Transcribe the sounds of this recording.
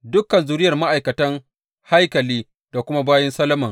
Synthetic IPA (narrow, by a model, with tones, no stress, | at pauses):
dʊ˦kːɐ˨nzu˨ɾɪ˦jɐ˨rma˦ʔa˨jkɐ˨tɐ˦ŋ | ha˦jkɐ˨liː˦ | d̥a˨kʷʊ˦ma˦baː˦jɐ˦nsɐ˦lɐ˦mɐ˨ŋ